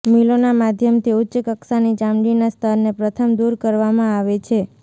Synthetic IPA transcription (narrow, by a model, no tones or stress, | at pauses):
milonamad̪ʱjəmt̪ʰiʊtːt͡ʃəkəksanid͡ʒãmɖinast̪ʰəɾnepɾət̪ʰəmd̪uɾkəɾʋamãaʋet͡ʃʰe